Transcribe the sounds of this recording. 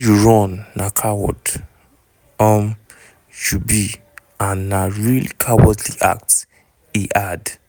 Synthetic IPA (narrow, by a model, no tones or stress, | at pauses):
juɹɔ̃nːakʰawɔ̰d | ɔm | d͡ʒubi | ãnːaɹilkʰawɔtliʔa̰k̚t | iʔad